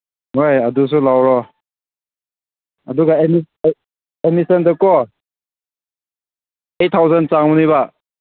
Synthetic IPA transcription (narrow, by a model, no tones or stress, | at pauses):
ɦojɐdus̬ulawɾɔ | ɐduɡaemi | emisendɯkɔ | etʰːawzensaŋmuniβa